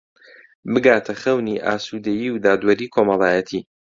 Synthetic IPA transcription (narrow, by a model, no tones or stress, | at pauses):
bɨɡaːt̪ʰɐxɐwniʔaːsuːd̪ɐjiːwd̪aːd̪wɐɾiːkʰo̞mɑlˠaːjɐt̪ʰiː